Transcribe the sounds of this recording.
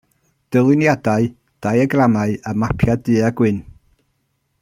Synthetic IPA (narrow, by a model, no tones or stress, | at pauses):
d̥əlˠɪnjadaɨ | d̥ajəɡramaɨəmapʰjadɨːaɡwɪn